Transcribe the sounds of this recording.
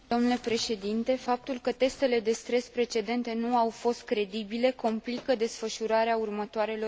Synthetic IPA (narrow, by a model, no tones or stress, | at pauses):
d̪o̞mnule̞pɾe̞ʃe̞d̪int̪e̞fap̚t̪ulkət̪e̞st̪e̞le̞d̪e̞st̪ɾe̞spɾe̞t͡ʃe̞d̪e̞nt̪e̞nuawfo̞st̪̚kɾe̞d̪ibile̞ko̞mplikəd̪e̞sfəʃuɾaɾeaurmət̪oaɾe̞lo̞